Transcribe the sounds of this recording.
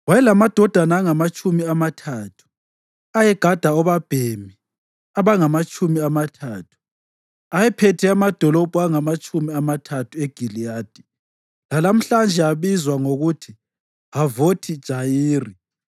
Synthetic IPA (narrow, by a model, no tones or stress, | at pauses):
wajɛlamad̥ʱɔd̥ʱanaːŋamat͡ʃʼumiamatʰaːtʰu̥ | ajɛɡ̥ʱad̥ʱaɔβab̥ʱemi | aβaŋamat͡ʃʼumiamatʰaːtʰu̥ | ajɛpʰɛtʰɛamad̥ʱɔlɔb̥ʱuaŋamat͡ʃʼumiamatʰatʰueɡ̥ʱilijaːd̥ʱi | lalam̩ɬand͡ʒʱɛaβizwaŋoɣutʰi | avotʰid̥ʒ̥ʱajiːri